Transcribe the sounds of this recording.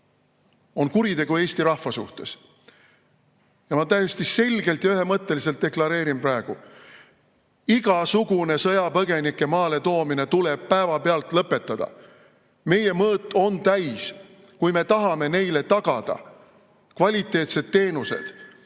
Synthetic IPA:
o̞nkuɾit̪e̞ɡ̥ue̞ːst̪iɾɑhvɑsṵht̪e̞s | jɑmɑt̪æjesʲt̪ise̞lʲɡ̥e̞lt̪jɑyɦe̞mɤt̪ˑːe̞liselt̪̚d̪e̞klɑɾe̞ːɾimprɑe̞ɡ̥u | iɡ̥ɑsuɡ̥une̞sɤjɑpɤɡe̞nikːe̞mɑːle̞t̪o̞ːmine̞t̪ule̞b̥̚pæevɑpeɑlt̪ˑlɤpːe̞t̪ˑːɑd̪̥ɑ̰ | me̞je̞mɤːt̪ːˑo̞nt̪æjs | kujme̞t̪ɑɦɑme̞ne̞jle̞t̪ɑɡ̥ɑd̪̥ɑ̰ | kvɑlʲit̪ːˑe̞ːt̪se̞d̪̚t̪ːe̞ːnuse̞̰d̪̥

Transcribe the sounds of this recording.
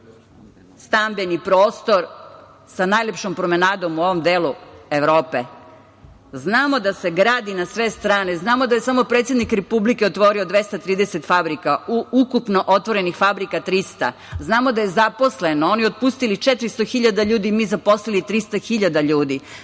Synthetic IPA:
st̪ambenipɾoːst̪o̞ɾ | sanajlʲepʃompɾome̞naːd̪omuo̞ʋo̞md̪eːlueʋɾoːpe | znaːmo̞d̪ase̞ɡɾaːd̪inasʋe̞st̪ɾaːneznaːmod̪ajesamo̞pɾet̪sjed̪nikɾepublikeot̪ʋo̞ɾio̞d̪ʋe̞st̪at̪ɾiːd̪ese̞t̪fabɾikauukupnoʔo̞t̪ʋo̞ɾe̞nixfabɾikat̪ɾist̪a̰ | znaːmo̞d̪aje̞zaposlenooniot̪̚pust̪ilit͡ʃet̪ɾist̪oxiʎad̪aʎuːd̪imiːzapo̞slilit̪ɾist̪axiʎad̪aʎuːd̪i

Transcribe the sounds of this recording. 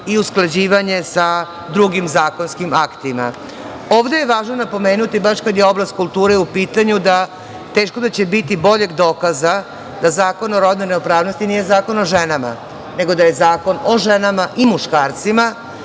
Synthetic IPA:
iusklˠad͡ʑiːʋaɲe̞sa | d̪ɾuɡimzaːko̞nskimakt̪ima̰ | o̞ːʋd̪ejeʋaːʒno̞napo̞me̞ːnut̪ibaʃkad̪je̞o̞blast̪̚kult̪uːɾeupiːt̪aɲud̪a | t̪e̞ːʃko̞d̪at͡ɕe̞bit̪ibo̞ʎe̞ɡd̪o̞ːkaza | d̪azaːko̞noɾo̞d̪nene̞opɾaːʋno̞st̪iniːje̞zaːko̞no̞ʒenama̰ | ne̞ɡo̞d̪aje̞zaːko̞no̞ʒenamaʔimuʃkaːɾt̪sima

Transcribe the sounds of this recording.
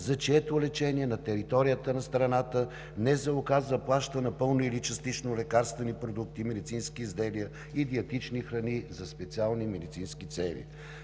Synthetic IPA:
zɐt͡ʃiɛt̪oʊlɛt͡ʃɛniɛnɐt̪ɛɾit̪ɔɾijət̪ənɐst̪ɾɐnat̪ə | nɛzɛʊkazvəplˠaʃt̪ənɐpɤlˠnoilit͡ʃɐst̪it͡ʃnolɛkaɾst̪vɛnipɾod̪uk̚t̪imɛd̪it̪sinskiːzd̪ɛliə | id̪iɐt̪it͡ʃnixɾɐnizɐspɛt̪sialˠnimɛd̪it̪sinskit̪sɛlḭ

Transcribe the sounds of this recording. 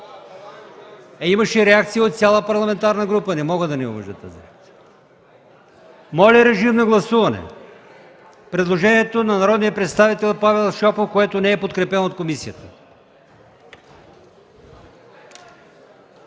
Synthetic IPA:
ɛiməʃɛɾɛakt̪siot̪t̪sʲalˠəpɐɾlˠɐmɛnt̪aɾnəɡɾupənɛmɔɡəd̪ɐnɛṵvə̰ʒd̪ə̰t̪a̰zḭak̪siə | mɔlʲɛɾɛʒimnɐɡlˠɐsuvɐnɛ̰ | pɾɛd̪lˠoʒɛniɛt̪onɐnɐɾɔd̪nijəpɾɛt̪st̪avit̪ɛlˠpavɛlˠʃɔpofkoɛt̪onɛɛpot̪̚kɾɛpɛnot̪̚komisiət̪ə

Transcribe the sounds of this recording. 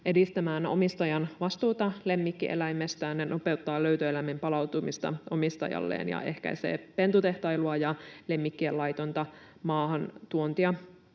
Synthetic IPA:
ʔe̞dist̪æmæːno̞̰mist̪ɑjɑnʋɑst̪uːt̪ɑle̞mːikːiʔḛlæjmːest̪æːnnenʔo̞pe̞wt̪ːɑːløyt̪øelæmimpɑlɑwt̪umist̪ɑ̰o̞mist̪ɑ̰jɑ̰lːḛːnjɑ̰ʔe̞hkæ̰jsḛːpe̞nt̪ut̪e̞ht̪ɑjluɑjɑle̞mːikːielɑjt̪o̞nt̪ɑ | mɑːɦɑnt̪uont̪iɑ

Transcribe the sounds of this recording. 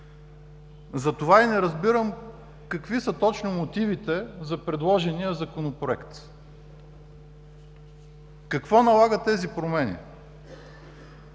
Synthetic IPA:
zɐt̪ovainɛɾəzbiɾəm | kɐkvisət̪ɔt͡ʃnomot̪ivit̪ɛzɐpɾɛd̪lˠɔʒɛniəzɐkonopɾoɛkt̪ | kɐkvɔnɐlˠaɡət̪ːɛzipɾomɛnḭ

